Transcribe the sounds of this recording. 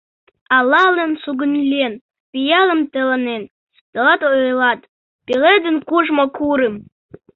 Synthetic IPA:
alalɨnsuɡɨnlʲen | pʼijalɨmtʰalanen | d̥alatʼoelatʼ | pʼiledɨnkʷʰʼuʐmakʷʰuɾɨm

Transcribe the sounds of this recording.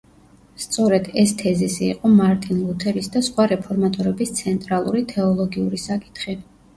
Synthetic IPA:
st̪sʼɔɾɛd̪̥ɛst̪ʰɛzisḭːqʼɔmaɾt̪ʼinlˠut̪ʰɛɾisd̪asχwaɾɛpʰɔɾmat̪ʼɔɾɛbist̪sʰɛnt̪ʼɾalˠuɾit̪ʰɛɔlˠɔɡiuɾisakʼi̥t̪ʰχi

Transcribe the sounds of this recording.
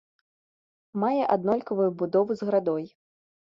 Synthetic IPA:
majɛʔad̪nɔlʲkɐvujubud̪ɔvuzɣɾad̪ɔj

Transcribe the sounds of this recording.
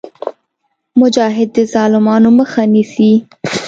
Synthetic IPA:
mʊd͡ʒɑɦɪd̪̚ːəzɑlɪmɑnoməxanisi

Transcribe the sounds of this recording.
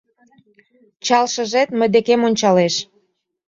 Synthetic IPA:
t͡ɕɑlʃə̆ʒet̪mə̆jd̪ekemonʲt͡ɕɑleʃ

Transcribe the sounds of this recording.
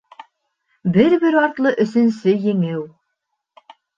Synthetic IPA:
bɘɾbɘɾɒɾt̪lˠɤʔɵ̆sɵ̆nsɵjɘ̆ŋɘw

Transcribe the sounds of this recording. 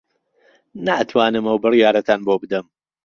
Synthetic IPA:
naːʔt̪ʰwaːnɨmɐwbɨrjaːɾɐt̪ʰaːnbobɨd̪ɐm

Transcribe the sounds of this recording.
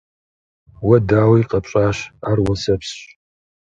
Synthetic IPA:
wɐdaːwijqʼɐpɕʼaːʃarwɐsɐpʰsɕ

